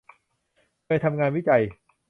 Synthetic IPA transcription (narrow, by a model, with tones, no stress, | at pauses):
kːjt̪ʰa˧mŋaː˧nwiː˦˥t͡ɕa˧j